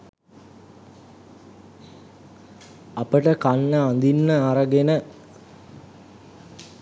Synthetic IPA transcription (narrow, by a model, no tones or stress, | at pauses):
apəʈəkanːəand̪inːəaɾəɡenə